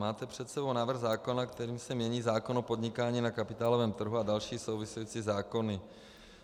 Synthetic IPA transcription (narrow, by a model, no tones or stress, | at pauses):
maːt̪ɛpr̝̥ɛt̪sɛbo̞wnaːvr̩ɣzaːko̞nakt̪ɛɾiːmsɛmɲɛɲiːzaːkonopo̞d̪ɲɪkaːɲiːnakapɪt̪aːlovɛːmt̪r̩ɦuadalʃiːsowvɪsujit͡sizaːkonɪ